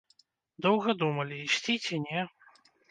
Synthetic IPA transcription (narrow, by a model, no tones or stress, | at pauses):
d̪ɔwɣɐd̪umɐlʲiisʲtʲit͡sʲɛnʲɛ